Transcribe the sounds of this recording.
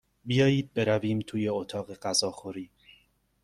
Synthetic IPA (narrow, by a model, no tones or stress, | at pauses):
bijɒːjiːd̪̚be̞ɾæviːmt̪ʰuːje̞ot̪ʰɒːɣe̞ɢæzɒːxoɾiː